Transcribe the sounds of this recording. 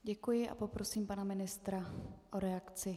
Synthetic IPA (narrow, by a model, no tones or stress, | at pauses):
ɟɛkujɪʔa̰po̞pɾo̞siːmpanamɪnɪst̪ɾaʔoɾɛakt͡sɪ